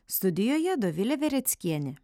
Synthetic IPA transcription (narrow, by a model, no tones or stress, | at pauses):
st̪ʊd̪ʲɪjoːjɛd̪oʋʲɪlʲɛʋʲɛɾʲɛt̪sʲkʲiɛnʲɪ